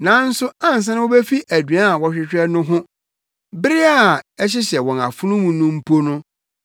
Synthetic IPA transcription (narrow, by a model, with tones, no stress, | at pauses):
nã˨˦n̩˦sʊ˦ã˦n˨s̬ã˦nɪ̃˦o˦be˦fi˦ʔæ˨dɥã˦˨wɔ˦ɕᶣɪ˦t͡ɕᶣɛ˦nʊ̃˦ɦʊ̃˦ | bɪ˦ɾɪ˦a˨ɛ˦ɕ̬ɪ˦ɕɛ˨wɔ̃˨na̰˨fʊ˦nʊ̃˦mũ˨nʊ̃˦m̩˦pʰo˦nʊ̃˦